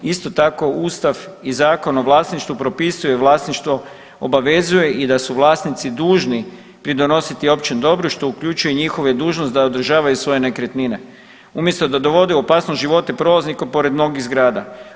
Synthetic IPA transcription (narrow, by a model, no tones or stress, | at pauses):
ist̪o̞t̪ako̞uːst̪afizaːko̞noʋlˠaːsniʃt̪ʋupɾo̞pisujeʋlˠaːsniʃt̪ʋo̞ | obaʋe̞zuje̞ʔid̪asuʋlˠaːsnit̪sid̪uːʒni | pɾid̪o̞no̞sit̪io̞pt͡ʃinud̪o̞bɾuʃt̪o̞ukʎut͡ʃujeɲixo̞ʋed̪uːʒnost̪d̪aod̪r̩ʒaːʋajusʋo̞je̞ne̞kɾet̪nine̞ | umje̞st̪o̞d̪ad̪o̞ʋo̞d̪euopaːsnost̪ʒiʋo̞t̪epɾo̞laznikopo̞ɾe̞d̪mno̞ɡiɣzɡɾaːd̪a